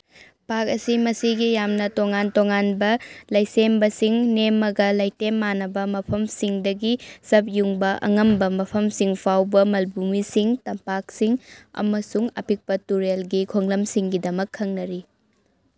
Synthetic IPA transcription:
pak̚ɐsimɐsiɡijamnɐtoŋantoŋanbɐlɐjsembɐsiŋnemːɐɡɐlɐjtemːanɐbɐmɐpʰɐmsiŋdɐɡisɐp̚juŋbɐʔɐ̰ŋɐmbɐmɐpʰɐmsiŋpʰawbɐmɐlbumisiŋtɐmpak̚siŋɐ̰mɐsuŋɐ̰pik̚pɐtuɾelɡikʰoŋlɐmsiŋɡidɐmɐkʰːɐŋnɐɾi

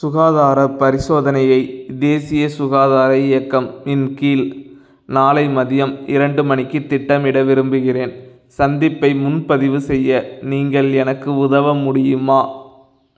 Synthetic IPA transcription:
sʊɣaːðaːɾɐpːɐɾɪsoːðɐnɐjɐɪd̪eːsɪjɐsʊɣaːðaːɾɐɪjɐkːɐmɪnkiːl | naːlɐɪmɐðɪjɐmɪɾɐɳɖɯmɐnɪkːɯt̪ːɪʈːɐmɪɽɐʋɪɾɯmbɯɣɪreːn | sɐnd̪ɪpːɐɪmʊnpɐðɪʋɯsɛjːɐniːŋɡɐɭɛnɐkːɯʊðɐʋɐmʊɽɪjɯmaː

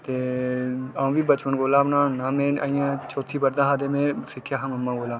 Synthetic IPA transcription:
t̪eː | ãːʋiːbət͡ʃpənɡoːlaːbnãːnaːmẽːa̰ːijãːt͡ʃoːt̪ʰːiːpəɾd̪ãːɦaːd̪eːmẽːsɪkʰːjaːɦaməmːãːɡoːlaː

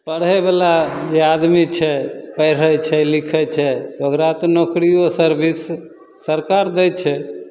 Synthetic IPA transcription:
pəɽɦɛbelad͡ʒead̪mit͡ʃʰɛpəjɾ̤ət͡ʃʰɛlikʰɛt͡ʃʰɛt̪ɔokɾat̪ɔnokɾijosəɾbʱisː | əɾkaɾd̪ɛt͡ʃʰɛ

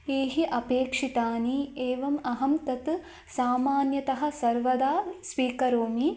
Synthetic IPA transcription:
eːɦiʔɐpeːkʂit̪aːnieːʋɐmɐɦɐmt̪ɐt̪ | saːmaːnjɐt̪ɐɦɐ̆sɐɾʋɐd̪aːsʋiːkɐɾoːmi

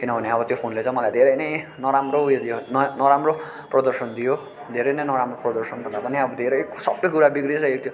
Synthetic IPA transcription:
kinʌbʱʌneʌbʌt̪jopʰonlet͡sãj̃mʌlajd̪ʱeɾʌjnʌjnʌɾamrojd̪ijonnʌɾamro | prʌd̪ʌrsʌnd̪ijo | d̪ʱeɾʌjnʌjnʌɾamroprʌd̪ʌrsʌnbʱʌnd̪apʌniʌbʌd̪ʱeɾʌjsʌpnʌjkuɾabiɡɾit͡sʌ̃ek̚t̪ʰjo

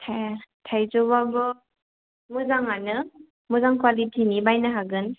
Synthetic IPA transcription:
tʰajtʰajzɔbabɯ | mɯzaŋanɯ | mɯzaŋkwalitʰinibajnɯɦaɡɯn

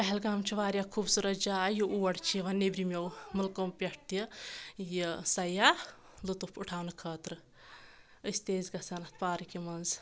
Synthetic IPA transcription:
pɐɦelɡaːmt͡ʃʰiʋaːɾjakʰubsuɾɐt̪d͡ʒaːjuʔuːɐɽt͡ʃʰiʋɐnebɾimʲɐwmɐlkompʲɐʈt̪ijisɐja | lut̪upʰuʈʰaːwnɨkʰəːt̪ɾɨ | əst̪eːzɡɐsɐnɐt̪ʰpaːɾɨkimɐnz

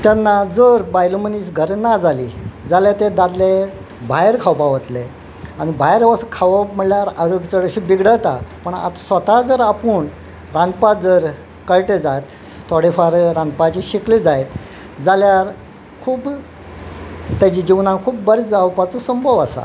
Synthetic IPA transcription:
t̪janːad͡zəɾbajluməniːsɡʱəɾnad͡zʱaliːd͡zalet̪ed̪ad̪le | bʱajɾkʰawpaʋət̪le | añibʱajɾʋəskʰaʋəpm̤əɽljaɾaɾoɡt͡səɽəɕibiɡɽət̪a̰pəɳa̰t̪sʋət̪ad͡zəɾapuːɳ | ɾãnd̪pad͡zəɾ | kəɭʈed͡zajt̪ | t̪ʰoɽifaɾɾãnd̪pat͡ɕiɕikled͡zajt̪ | d͡zaljaɾ | kʰuːb | t̪jad͡ʑiːd͡ʑiʋnãkʰuːp̚bəɾt͡sd͡zawpat͡sosəmbʱəʋasa̰

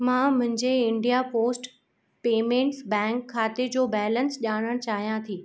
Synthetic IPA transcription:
mãmʊ̃ɦɪ̃ɲd͡ʑeɪ̃ɳɖijapoːsʈ | peːmẽːɳʈsbɛ̃ːŋkʰːaːt̪ed͡ʑoːbɛːlənsʄaːɽ̃əɽ̃t͡ɕaːɦijãt̪ʰiː

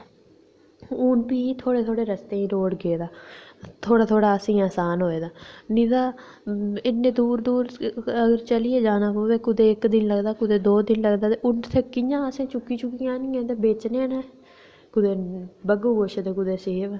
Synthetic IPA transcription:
uːnpiːt̪ʰoːɽeːt̪ʰoːɽeːɾəst̪eːĩːɾoːɽɡeːd̪aːt̪ʰoːɽaːt̪ʰoːɽaːəsĩːaːsaːnɦoːeːd̪aːnĩːd̪aː | ɪnːẽːd̪uːɾd̪uːɾəɡəɾt͡ʃəliːeːd͡ʒaːnaːpoːʋeːkʊd̪eːɪkd̪ɪnləɡd̪aːkʊd̪eːd̪oːd̪ɪnləɡd̪aːt̪eʊnt̪ʰekːijãːəsẽːt͡ʃʊkːiːt͡ʃʊkːijãːnɪ̃ːɛ̃ːt̪̬eːbeːt͡ʃneːnẽː | kʊd̪eːbəɡoːɡoːʃet̪eːkʊd̪eːseːʋ

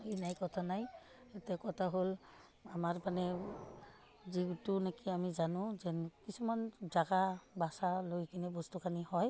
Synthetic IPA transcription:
ejnajkɔtʰanaj | etɛkɔtʰaɦol | amaɹpanɛ | ziɡtunekiamizanʊ̃zɛnkisumanzaɡabasalojkinibɔstukʰanihɔj

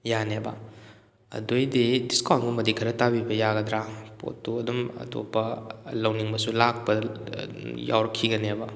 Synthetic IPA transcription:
janebɐ̰ | ɐ̰dojdidiskɔnɡumɐdikʰɐɾɐtabibɐjaɡɐd̪ɾapo̰tːuɐdumɐ̰to̰pːɐlɐwniŋmɐsulak̚pɐ | ja̰wɾɐkʰːiɡɐnebɐ

